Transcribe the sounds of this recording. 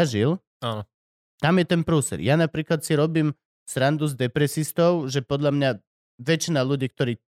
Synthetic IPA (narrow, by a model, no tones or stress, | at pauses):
aʒil | aːnɔ | t̪amjɛt̪ɛnpɾuːsɛ̰ɾjanapɾiːklat̪siɾɔbiːm | sɾand̪uzd̪ɛpɾɛsist̪ɔʊʒɛpɔd̪ʎlamɲa | ʋɛt͡ʃinaluɟiːk̚t̪ɔɾiː